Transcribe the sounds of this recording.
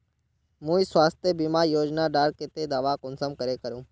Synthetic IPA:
mũːisʋaːst̪ʰjəbimaːɾjoːd͡ʒnaːɖaːɾket̪ed̪aːʋakʊnsəmkəɾekəɾũː

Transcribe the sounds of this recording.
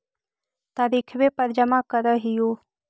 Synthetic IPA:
t̪aːɾikʰʋepəɾd͡ʒəmãkəɾəɦijo

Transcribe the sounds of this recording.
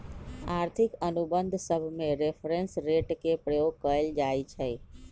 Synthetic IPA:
aɾt̪ʰikənubənd̪ʱsəbʱmeɾepʰɾensɾeʈkepɾəjoɡ̚kəeld͡ʒajt͡ʃʰə

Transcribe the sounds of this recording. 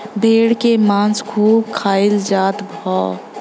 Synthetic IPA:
bʱeːɽkemãːnsɡʰuːb̚kʰaːɪld͡ʒaːt̪bʱɔː

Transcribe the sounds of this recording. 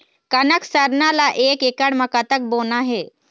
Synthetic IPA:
kənəksaɾnalaʔekekaɽməkat̪ək̚bonaɦe

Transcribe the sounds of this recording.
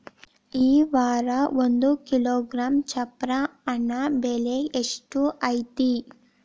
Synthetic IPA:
iːʋaːɾɐʋond̪ukiloːɡɾaːmt͡ʃɐpɾɐːnːɐbeleeʂʈuʔɐjt̪i

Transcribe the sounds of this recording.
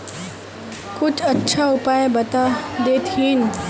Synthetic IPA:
kʊt͡ʃʰɐtːʃʰaʊpaːjebɐt̪ad̪eːt̪iːn

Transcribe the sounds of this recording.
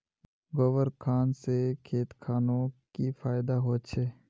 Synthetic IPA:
ɡoːʋəɾkʰaːnsekʰeːt̪kʰaːnõkifaːɪd̪aɦoːt͡ʃʰeː

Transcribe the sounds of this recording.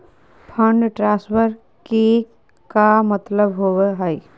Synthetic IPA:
pʰə̃ɳɖʈɾãːspəɾ | ke | kamət̪ləbɦoweɦəj

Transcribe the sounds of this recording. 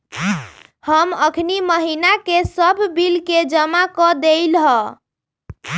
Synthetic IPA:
həməkʰniməɦinakesəbʱbilked͡ʒəmakɔd̪eɪlɦə

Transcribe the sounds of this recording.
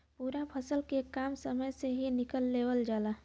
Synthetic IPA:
puːɾapʰəsəlkekaːmsəməjseɦinɪkəlːeːʋəld͡ʒaːlaː

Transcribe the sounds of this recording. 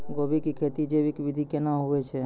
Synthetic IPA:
ɡobikikʰet̪id͡ʒebikʋid̪ʱikenaɦuet͡ʃʰe

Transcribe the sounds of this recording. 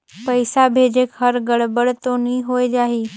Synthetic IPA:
pəjsabʱed͡ʒekɦəɾɡəɽbəɽt̪oːniɦoːjd͡ʒaːɦeː

